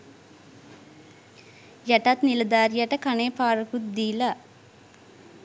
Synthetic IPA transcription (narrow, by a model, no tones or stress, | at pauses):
jɐʈɐt̪nilɐd̪aːɾjɐʈɐkɐneːpaːɾɐkut̪̚d̪iːlɐ